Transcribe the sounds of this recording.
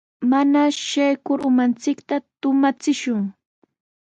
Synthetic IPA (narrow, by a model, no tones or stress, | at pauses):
manaʃajkʊɾʊmant͡sɪkt̪at̪ʊmat͡sɪʃʊŋ